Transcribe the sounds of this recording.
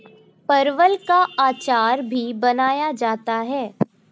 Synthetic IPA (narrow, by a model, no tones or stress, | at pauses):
pɐɾʋəlkaaːt͡ʃaːɾbʱibɐnaːjad͡ʒaːt̪aɦɛː